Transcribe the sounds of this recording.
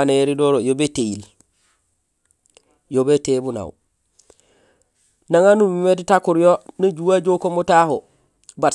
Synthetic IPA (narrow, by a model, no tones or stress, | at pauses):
aneɾidoːɾojobetejil | jobetebuna̰w | naŋanumimetitakuɾjonad͡ʒuwad͡ʒokomotaho | ba